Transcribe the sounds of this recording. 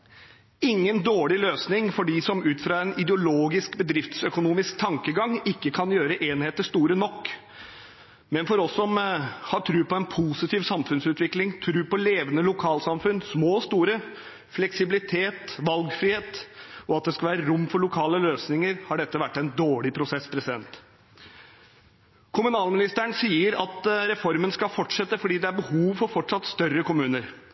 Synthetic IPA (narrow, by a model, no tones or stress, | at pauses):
ɪŋːənd̪oːɭɪløːsnɪŋfɔɖiːsɔmʉːt̪fɾɑːɛnɪd̪ɛʊloːɡɪskbəd̪ɾɪft̪sœkʊnuːmɪskt̪ʰɑŋkəɡɑŋɪkːəkʰɑnjøːɾəʔeːnheːt̪əʂt̪uːɾənɔkː | mɛnfɔɾɔsːɔmhɑːt̪ʰɾʉːpɔɛnpʰuːsɪt̪ʰiːʋsɑmfʉnsʉːt̪ʋɪklɪŋt̪ʰɾʉːpɔleːʋənəlʊkʰɑːlsɑmfʉnsmoːst̪uːɾə | flɛksɪbɪlɪt̪ʰeːt̪ʋɑlɡfɾɪheːt̪ɔɑt̪̚d̪ɛskɑʋæːɾəɾʊmːfɔɭʊkʰɑːləløːsnɪŋəɾhɑɖɛt̪ːəʋæʈːɛɪnd̪oːɭɪpʰɾʊsɛsːpʰɾɛsɪd̪ɛnt̪ | kʰʊmʉnɑːlmɪnɪst̪æɳsiːəɾɑt̪ɾɛfɔɾmənskɑlfɔʈʂɛt̪ːəfɔɖiːd̪ɛæɾbəhuːʋfɔɾfɔʈʂɑt̪st̪œrːəkʊmʉːnəɾ